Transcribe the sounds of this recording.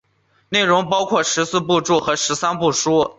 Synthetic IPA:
ne˥˩ɪɻʊ˧˥ŋpɑ˥ʊkʰwɔ˥˩ʂɻ̩˧˥sɹ̩˥˧pu˥˧ʈ͡ʂu˥˩xɤ˧˥ʂɻ̩˧˥sa˥npu˥˩ʂu˥

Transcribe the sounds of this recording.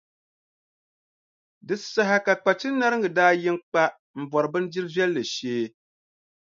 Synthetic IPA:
dɨ˨sa˨ɦa˦ka˨k͡pa˨t͡ʃɨ˦nːa˦ɾɨ˦ŋɡɨ˨daː˦jɪ˦ŋk͡pa˦ʔ | m̩˨bɔ˨ɾɨ˨bɨ˦n˦d͡ʒi˦ɾɨ˦zɛ˦lːɨ˨ʃeː˦

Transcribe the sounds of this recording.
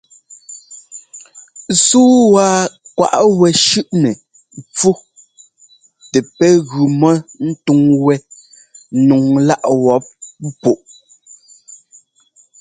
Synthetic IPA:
suː˦waː˨˦kwa̰˨ʔwɛ˨ʃʉ˦ʔnɛ˨ | mp͡fu˦ | tɛ˨pɛ˦ɣʉ˨mɔ˦n̩˦tu˦ŋwɛ˦ | nu˨ŋla˦ʔwɔ˨˦p̚pu˨ʔ

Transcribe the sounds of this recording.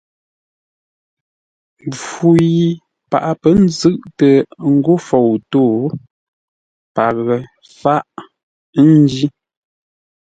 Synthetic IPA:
u˨ji˨ | pa̰˨ʔa˦pə˦n̩˦zɨ˦ʔtə˨ŋ̩˦ɡo˦fo˨wto˦˨ | pa˨ɣə˨ | fa˦ʔ | n˦d͡ʒi˦

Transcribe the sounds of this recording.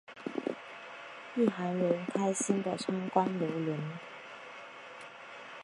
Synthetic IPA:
y˥˩xa˧˥nɻə˧˥nkʰa˥ɪɕi˥nd̪ə˨t͡sʰwa˥nkwa˥nljo˧˥ʊli˧˥n

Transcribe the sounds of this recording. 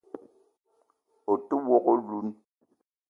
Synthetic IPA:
o˨tu˦wɔ˦ko˦lu˨˦n

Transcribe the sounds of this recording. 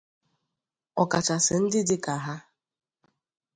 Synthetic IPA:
ɔ˨ka˨t͡ʃa˨sɪ˨n̩˦dɪ˦dɪ˦ka˨ɦa˦

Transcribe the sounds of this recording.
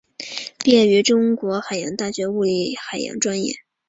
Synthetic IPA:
pjɛ˥˩ny˧˥ʈ͡ʂʊ˥ŋkwɔ˧˥xa˨˩ɪjɑ˧˥ŋt̪a˥˩ɕɥɛ˧˥u˥˧li˥˩xa˨˩ɪjɑ̰˧˥ŋʈ͡ʂwa˥njɛ̰˥˩

